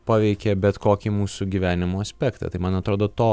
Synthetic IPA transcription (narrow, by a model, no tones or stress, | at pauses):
pɑːʋʲɛɪkʲɛbʲɛt̪koːkʲimuːsuɡʲiːʋʲæːnʲɪmoːɐsʲpʲɛːkt̪ɐ̰t̪ɐɪmɐnɐt̪ɾoːd̪oːt̪oː